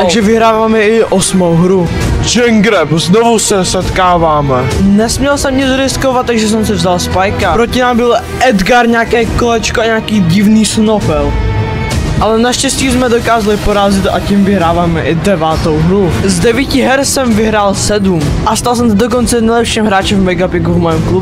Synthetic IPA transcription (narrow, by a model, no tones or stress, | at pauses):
t̪aɡʒɛvɪɦɾaːvaːmɛʔɪʔosmowɦɾu | d͡ʒɛŋɡɾɛpznovusɛsɛt̪kaːvaːmɛnɛsmɲɛlsɛmɲɛd͡zɾɪskovat̪̚t̪ːaɡʒɛs̬ɛms̬ɛvzalspajkapɾocɪnaːmbɪl | ʔɛd̪ɡaɾɲaːkɛːkolɛt͡ʃkoaɲaːkiːɟɪvniːsnopɛl | ʔalɛnaʃcɛscismɛdokaːzalɪpoɾaːzɪt̪a̰cimvɪɦɾaːvaːmɛʔɪdɛvaːt̪owɦɾuzdɛviːcɪɦɛɾsɛmvɪɦɾaːlsɛdumʔast̪als̬ɛms̬ɛdok̬ont͡sɛnɛjlɛpʃimɦɾaːt͡ʃɛmmɛɡapɪɡuvmojɛmklub